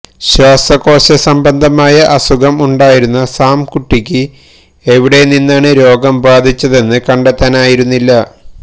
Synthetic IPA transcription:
ɕwaːsɐko̞ːɕɐsɐmbɐnd̪ʱɐmaːjɐʔɐsuɡɐmuɳɖaːjiɾunːɐsaːmkuʈːikʲːɨ | eʋiɽe̞ninːaːɳɨɾo̞ːɡɐmbaːd̪ʱit͡ɕːɐðe̞nːɨkɐɳɖet̪ːaːnaːjiɾunːilːɐ

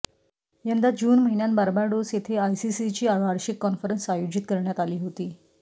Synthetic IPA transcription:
jand̪ad͡ʑuːnməɦinjanbaɾbaɾɖosjet̪ʰeajsisit͡ɕiːaʋaɾɕikːɔnfəɾənsajod͡ʑit̪kəɾɳjat̪aliːɦot̪iː

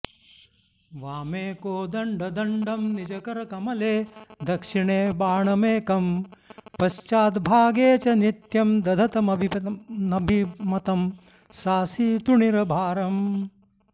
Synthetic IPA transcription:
ʋaːmeːkoːd̪ɐɳɖɐd̪ʱɐɳɖɐmnid͡ʒɐkɐɾɐkɐmɐleːd̪ɐkʂiɳeːbaːɳɐmeːkɐmpɐʃt͡ʃaːt̪bʱaːɡeːt͡ʃɐnit̪jɐmd̪ɐd̪ʱɐt̪ɐmɐbʱinɐbʱimɐt̪ɐm | saːsiːt̪uɳiɾɐbʱaːɾɐm

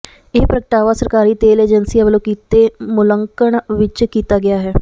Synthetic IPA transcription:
ɪːpɾəkəʈaːʋaːsəɾkaːɾiːt̪eːleːd͡ʒənsiːəʋloːkiːt̪ːeːmʊləŋkəɳʋɪt͡ʃkiːt̪aːɡɪaːɦɛː

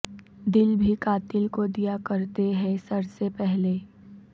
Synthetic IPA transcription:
d̪ɪlbʱikaːt̪ɪlkod̪ijakɐɾt̪eɦɛ̃sɐɾsepɛɦleː

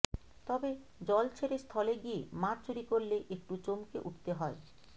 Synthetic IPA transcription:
t̪ɔbe | d͡ʑɔlt͡ɕʰeɾest̪ʰɔleɡiemaɾt͡ɕuɾikoɾleʔek̚ʈut͡ɕomkḛʔuʈ̚t̪eɦɔe

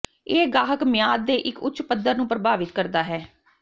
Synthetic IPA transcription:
eːɡaːɦəkmɪjaːd̪̚ːeːʔɪkʊ̰tːʃpəd̪əɾnũːpɾəbʱaːʋɪt̪kəɾd̪aːɦɛː

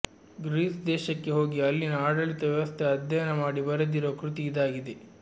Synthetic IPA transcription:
ɡɾiːsd̪ɛːʃɐkːe̞ɦo̞ːɡiɐlːinɐaːɽɐɭit̪ɐʋjɛʋɐst̪ʰeɐd̪jɐjɐnɐmaːɽibɐɾɐd̪iɾoɐkɾut̪iːd̪aːɡid̪e

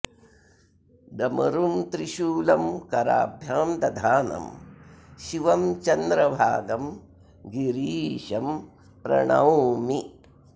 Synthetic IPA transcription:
d̪ɐmɐɾumt̪ɾiʃuːlɐmkɐɾa̰ːbʱjaːmd̪ɐd̪ʱaːnɐ̰m | ʃiʋɐmt͡ʃɐnd̪ɾɐʋʱaːd̪ɐm | ɡiɾiːʃɐm | pɾɐ̰ɳɐ̰wmi

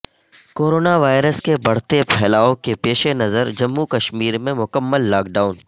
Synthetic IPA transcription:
koːɾoːnaʋaːɪɾəskebɐɽ̤t̪epʰɛːlaːõkepeːʃenɐzəɾd͡ʒɐmːukɐʃmiːɾmẽmʊkəmːəlːaːk̚ɖaːʊn

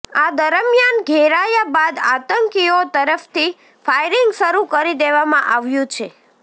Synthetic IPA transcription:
ad̪əɾəmjanɡʱeɾajabad̪at̪əŋkiot̪əɾəft̪i | fajɾiŋɡʃəɾukəɾid̪eʋamãʔaʋjũt͡ʃʰe

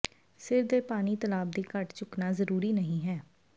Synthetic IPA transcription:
sɪɾd̪eːpaːniːt̪əlaːb̚d̪iːkəʈt͡ʃʊknaːzəɾuːɾiːnəɦĩːɦɛː

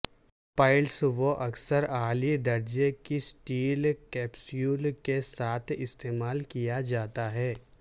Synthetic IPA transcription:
paːɪlsʋoʔɐksəɾaːlid̪ɐɾd͡ʒekisʈiːlkɛːpsijuːlkesaːt̪ʰɪst̪eːmaːlkijad͡ʒaːt̪aɦɛː

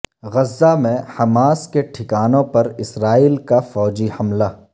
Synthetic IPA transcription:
ɣɐzːamẽhɐmaːskeʈʰɪkaːnõpɐɾɪsɾaːiːlkafɔːd͡ʒihɐmla

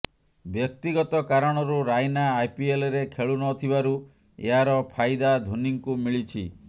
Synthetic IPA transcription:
bjɔk̚t̪iɡɔt̪ɔkaɾɔɽ̃ɔɾuɾajnaːjpielɔɾekʰeɭunɔt̪ʰibaɾu | ḛɦaɾɔpʰajd̪ad̪ʱuniŋkumiɭit͡ʃʰḭ

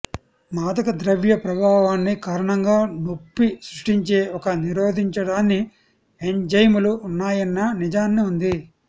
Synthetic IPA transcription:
maːd̪ɐkɐd̪ɾɐʋjɐpɾɐbʱaːʋaːnːikaːɾɐɳɐŋɡaːnopːisɾuʂʈiɲt͡ʃe̞ːɔkɐniɾoːd̪ʱiɲt͡ʃɐɽaːnːi | eɲd͡ʒɐjmuluːnːaːjɐnːɐnid͡ʒaːnːiund̪i

